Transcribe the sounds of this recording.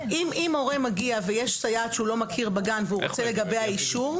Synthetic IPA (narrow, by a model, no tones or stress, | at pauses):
imimo̞ʁemaɡiavejeʃsajat̪ʃeulo̞makʰiʁbaɡanveuʁot͡se̞le̞ɡabe̞jaiʃuʁ